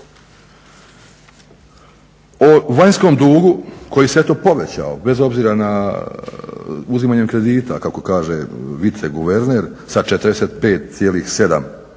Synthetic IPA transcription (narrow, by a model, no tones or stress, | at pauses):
oʋaɲsko̞md̪uːɡukʰo̞jiseet̪o̞ːpo̞ʋet͡ɕa̰o̰be̞zo̞bziːɾana | uzimaːɲe̞mkɾe̞d̪iːt̪a̰kako̞kaːʒeʋit̪seɡuʋe̞ɾneɾsat͡ʃet̪ɾd̪eseːt̪̚pe̞ːt̪̚sʲjeːlixse̞d̪a̰m